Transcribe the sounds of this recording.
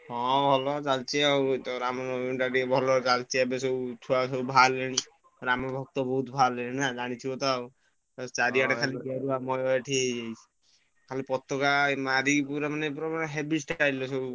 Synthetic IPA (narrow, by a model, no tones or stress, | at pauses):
ɦɔ̃bʱɔlɔt͡ʃalt͡ʃeat̪ɔɾamɔnɔuɳʈaʈibʱɔlɔt͡ʃalt͡ʃiabeseut̪ʰuaseubʱalːeɽ̃i | ɾamɔbʱɔk̚t̪ɔbɔɦut̪bʱalːeɽinad͡ʒaɽ̃it͡ʃʰiɔt̪ɔ | t͡ʃaɾiaʈaaliɡeɾuamɔjɔeʈʰied͡ʒajt͡ʃʰi̥ | kʰalipɔt̪ːɔkamaɾipuɾamanepuɾamaneɦebisʈaʈailɔseu